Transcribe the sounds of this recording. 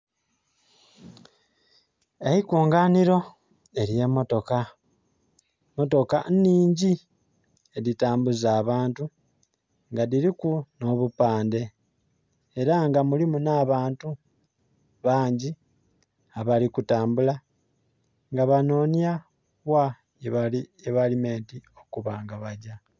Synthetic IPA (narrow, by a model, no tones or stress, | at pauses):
ehikuːŋɡaːniɾo̞ | e̞ɾje̞mo̞to̞ka | mo̞to̞ka̰niːɲɟi | eðitaːmbuzaːβaːntu | ŋɡaðiɾikuno̞βupaːnde̞ | e̞ɾaŋɡamulimunaβaːntu | βaːɲɟi | aβalikutaːmbula | ŋɡaβano̞ːnja | βwa | eβalime̞ːntio̞kuβaːŋɡaβaɟa